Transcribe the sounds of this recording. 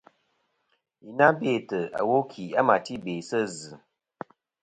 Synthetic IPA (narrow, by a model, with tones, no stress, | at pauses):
i˨na˦be˦˨tə˨a̰˨wo˦kʰi˨a˦ma˨ti˦beː˨sə˦zɨ˨